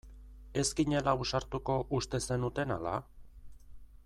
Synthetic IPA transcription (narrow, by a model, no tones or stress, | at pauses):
e̞skiɲe̞laβusaɾt̪uko̞ʔust̪e̞se̞nut̪e̞na̰la̰